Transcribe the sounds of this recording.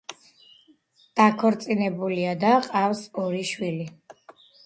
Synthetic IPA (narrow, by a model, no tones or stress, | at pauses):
d̪̥akʰɔɾt̪sʼinɛbuliad̪aqʼafsɔɾiʃwili